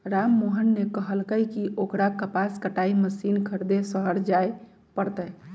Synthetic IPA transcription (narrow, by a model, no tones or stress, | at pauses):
ɾamːoɦənːekəɦəlkəjkiʔokɾakəpaskəʈaiməsinkʰəɾd̪esəɦəɾd͡ʒaj | pəɾt̪əj